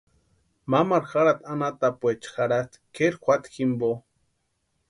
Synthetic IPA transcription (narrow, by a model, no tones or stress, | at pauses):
mamaɾxaɾat̪anat̪apʷet͡ʃxaɽat̪keɾxʷat̪ximbo